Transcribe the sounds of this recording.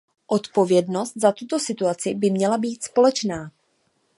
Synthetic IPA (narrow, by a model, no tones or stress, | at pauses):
ʔo̞t̪po̞vjɛdno̞st̪̚zat̪ut̪o̞sɪt̪uat͡sɪbɪmɲɛlabiːt̪spo̞lɛt͡ʃnaː